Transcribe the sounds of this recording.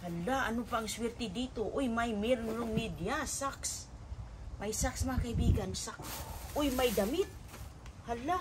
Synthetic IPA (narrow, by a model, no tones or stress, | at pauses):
halːaʔanopaːŋswɛɾt̪ɪd̪iːt̪oʔʊjmajmɪɾomid̪ijasaks | majsaksmaakaɪbiːɡansaksʔʊjmajd̪amɪt̪̚ | halːa